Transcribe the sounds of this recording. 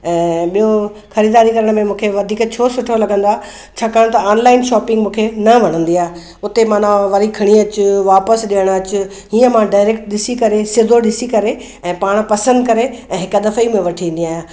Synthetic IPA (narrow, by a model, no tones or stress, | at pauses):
ɛ̃ːɓijoxɐɾiːd̪aːɾikɐɾəɽ̃mẽmũːkʰeʋɐd̪ʱiːkt͡ɕʰoːsʊʈʰolɐɡə̃nd̪aː | t͡ɕʰaːkaːɽ̃t̪ɐaːnlaːɪnʃɔːpɪ̃ŋɡmũːkʰenɐʋɐɽ̤̃ə̃nd̪iaːɦe | ʊt̪emãːnãʋɐɾikʰɐɽ̃iɐt͡ɕʊʋaːpəsɗɪəɽ̃ɐt͡ɕʊ | ɦiːə̃mãɖaːɪɾeːkʈɗɪsikɐɾesɪd̪ʱoɗɪsikɐɾe | ɛ̃ːpaːɽ̃pɐsə̃nd̪kɐɾeɛ̃ːɦɪkəd̪ɐfəimẽʋɐʈʰĩn̆d̪iaːjaː